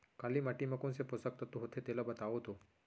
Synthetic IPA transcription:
kaːlimaʈimɐkõnseposək̚t̪ɐt̪uɦot̪ʰet̪elabət̪aʋot̪o

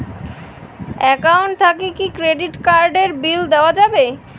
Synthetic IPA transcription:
ɛkawɳʈ̚t̪ʰakikikɾeɖiʈkaɾɖeɾbild̪eoad͡ʑabe

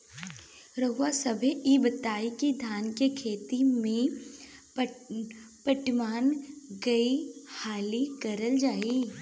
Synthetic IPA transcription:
ɾəɦʊwasɐbʱeibət̪aːikid̪ʱjaːnkekʰeːt̪imẽ | pəʈmaːnɡɐihaːlikɐɾəld͡ʒaːi

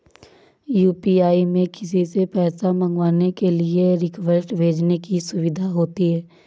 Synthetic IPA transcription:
juːpiaːimẽkɪs̬isepɛːsamə̃ŋɡwaːnekelieɾɪkʋəsʈbʱeːd͡ʒnekisʊʋɪd̪ʱaɦoːt̪iɦɛː

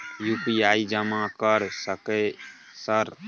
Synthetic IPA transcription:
jupiaːid͡ʒəmãkəɾsəke | səɾ

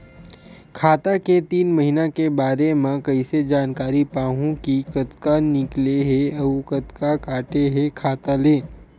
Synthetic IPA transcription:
kʰaːt̪aket̪iːnmɐɦɪnakebaːɾemãkɐised͡ʒaːnkaːɾipaːɦũkikɐt̪kanɪkleɦeɐukɐt̪kakaːʈeɦekʰaːt̪aleː

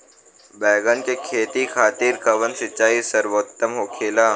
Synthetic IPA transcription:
bɛːɡənkekʰeːt̪ikʰaːt̪iɾkɐʋənsɪt͡ʃːaːisəɾwoːt̪ːəmɦoːkʰeːlaː

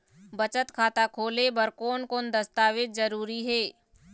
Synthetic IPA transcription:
bɐt͡ʃət̪kʰaːt̪akʰoːlebəɾkoːnkoːnd̪əst̪aːʋɪt̪̚zəɾuːɾiɦɛː

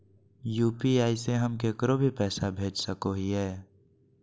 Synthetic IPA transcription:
juːpiaːiseɦəmkeːkəɾobʱipɛːsabʱeːd͡ʒsəkoɦiɦɛː

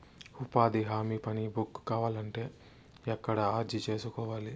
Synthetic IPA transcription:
upaːd̪iɦaːmiːpɐnibukːkaːʋaːlɐɳʈe̞ː | ɛkːɐɽɐaːɾd͡ʒit͡ʃe̞ːsukɔːʋaːli

